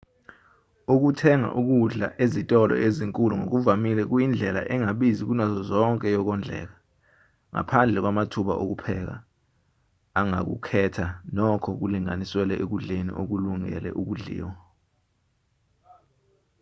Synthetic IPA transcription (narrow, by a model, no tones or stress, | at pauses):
uk̬utʰɛŋa̰ʔuk̬uɮa̰ʔezitʼɔlɔ̰ʔeziŋkʼuluŋo̰k̬uvamilɛk̬ujind͡ɮʱɛla̰ʔɛŋaɓizik̬unazɔzɔŋkʼɛjɔk̬ɔnd͡ɮʱɛ̰ːk̬a | ŋa̰pʰand͡ɮʱɛk̬wamatʰuɓaʔok̬upʰɛk̬a̰ | aŋa̰k̬ṵkʰɛtʰanɔkʰɔk̬uliŋaniswɛlɛʔek̬uɮenḭʔok̬uluŋɛ̰lɛ̰ʔuk̬uɮḭːwɔ